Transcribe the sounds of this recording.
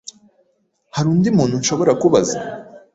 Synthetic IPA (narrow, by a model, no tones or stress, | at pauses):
haɾuːndimuːn̥hunʃo̞βo̞ɾakuβaza